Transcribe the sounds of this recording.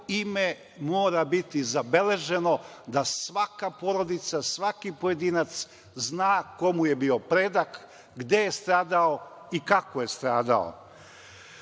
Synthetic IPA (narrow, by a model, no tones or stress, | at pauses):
ime | moːɾabit̪izabe̞le̞ʒe̞nod̪asʋakapoɾo̞d̪it̪sasʋakipoje̞d̪iːnat̪s | znaːko̞muje̞biopɾed̪ak | ɡd̪e̞jest̪ɾaːd̪ao | ikakoje̞st̪ɾaːd̪a̰o̰